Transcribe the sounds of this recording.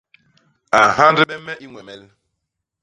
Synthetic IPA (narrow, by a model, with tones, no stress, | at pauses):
a˨ɦa˦n˦dɪ˦e˦m̩˦me˦ʔi˦ŋʷe˨me˦l